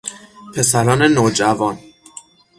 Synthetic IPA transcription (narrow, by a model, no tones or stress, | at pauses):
pʰe̞sæɾɒːne̞noːd͡ʒævɒːn